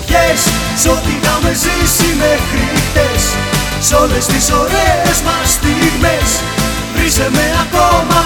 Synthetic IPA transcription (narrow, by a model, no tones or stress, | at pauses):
çes | sot̪inɐmezisimekɾikt̪es | solest̪isoɾeezmɐst̪iɣmes | vɾisemeakomɐ